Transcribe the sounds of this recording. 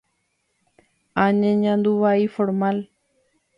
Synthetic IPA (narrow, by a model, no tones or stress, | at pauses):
aːɲẽɲãːnd̪uʋaːiːfoɾmaːl